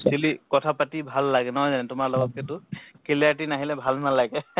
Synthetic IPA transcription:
silikɔtʰapatibʱalːaɡɛnɔɦɔjzanɛtʊmaɹlɔɡɔt̚kʰɛtʊkeliat̬inaɦilɛbʱalnalaɡɛ

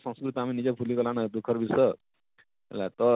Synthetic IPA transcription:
sə̃skɾut̪iaminid͡ʒekpʰulikɔlanad̪ukʰːəɾbʱisə̰ | lat̪ɔ

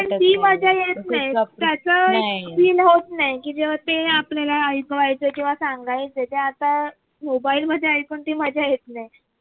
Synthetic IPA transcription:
pəɳt̪iːməd͡ʑʱjajet̪̚naj̪jat͡səepiːnɦot̪najkiːd͡zeʋ̤at̪eaplalaəjkʋajt͡səkĩw̃ʋasãŋɡajt͡sd͡ʑet̪eat̪a | mobailm̤əd̪ʱjeajkont̪iːməd͡ʑʱjajet̪̚naj

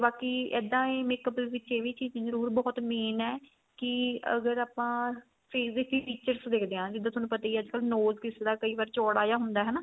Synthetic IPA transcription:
baːkiːɛ̰ːd̪ãːeːmeːkəblʋɪt͡ʃeːʋiːt͡ʃiːd͡ʒzəɾuːɾbɔːt̪meːnɛː | kɪə̰ɡəɾaːpãː | pʰeːzepʰiːpʰiːt͡ʃəɾsd̪eːkʰd̪eːãːd͡ʒɪd̪ːãːt̪ʊnũːpət̪aːiiəd͡ʒkəlnoːzkɪsd̪aːkəiːʋaːɾt͡ʃɔːɽaːjaːɦʊnd̪aːɦɛːnaː

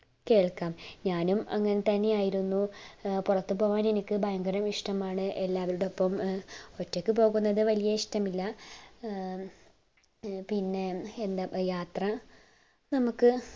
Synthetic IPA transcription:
ke̞ːɭkaːmɲaːnumɐ̰ŋːɐne̞t̪ɐnːejaːjiɾunːupurɐt̪ːupo̞ːɣaːne̞nikʲːɨbʱɐjɐŋɡɐɾɐmiʂʈɐmaːɳɨʔelːaːʋɐɾuɽeo̞pːɐmo̞tːo̞kʲːɨpo̞ːɣunːɐðɨʋɐlijɐiʂʈɐmilːɐ | pinːe̞end̪ɐjaːt̪rɐ | nɐmukːɨ

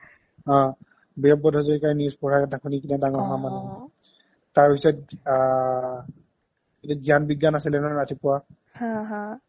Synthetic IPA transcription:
ɔ̃ | bɛp̚bɔdʱɔzɔɹikaɹnispɔɹakɛtakʰunikinɛdaŋɔɹɦamanɛ | taɹbisɔt̚ | etuɡijanbiɡːanasilɛnɔɹatʰipʊwa | hãɦã

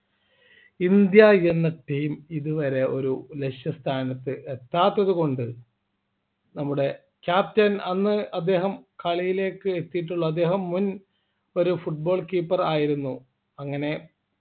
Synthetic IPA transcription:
ind̪jajenːɐʈːiːmiðuʋɐɾe̞ʔo̞ɾuleʂjɐst̪ʰaːnɐt̪ːɨʔet̪ːaːt̪ːɐðuko̞ɳɖɨ | nɐmːuɽe̞ | kʲjaːp̚tɐnɐnːɨɐd̪ːe̞ːɦɐmkɐɭijile̞ːkːɨet̪ːijiʈ̬ːuɭːɐɐd̪ːe̞ːɦɐmːun | o̞ɾufuʈ̚bo̞ːɭkiːpːɐraːjiɾunːu | ɐŋːɐne̞

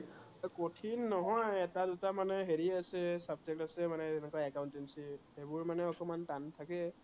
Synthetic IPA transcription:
kotʰinːɔɦɔjɛtadutamanɛɦeɹiasɛsab̚d͡ʒek̚tasɛmanɛɛnɛkwaɛkawʊntinsihebʊɹmanɛɔkɔmantantʰakɛ

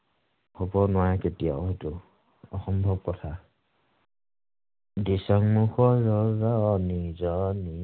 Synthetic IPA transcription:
hobɔnʊwajketija̰etʊ | ɔxɔmbʱɔb̚kɔtʰa | disaŋmuxɔɹɔzɔnizɔni

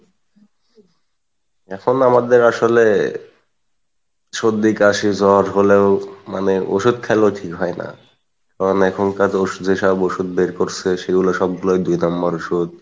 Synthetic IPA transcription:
ɛkʰonamad̪eɾaʃole | ʃod̪ikaʃid͡ʑɔɾɦoleoma̰neʔoʃud̪̚kʰɛloʈʰikɦɔena̰ | k̪aɾonɛkʰonkad͡ʑoʃud̪eʃaboʃud̪̚beɾkoɾsʰeʃeɡuloʃɔb̚ɡulajd̪ujnambaɾoʃud̪̚

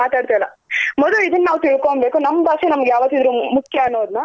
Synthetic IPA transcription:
maːt̪aːɽt̪ajlɐmɔd̪luid̪ɐnːɐnaːʋt̪iɭkoɳbeːkunɐmːɐbakʂenɐmɐɡejaːʋɐt̪ːid̪ɾuːmukʰjɐɐnːoːd̪nɐ

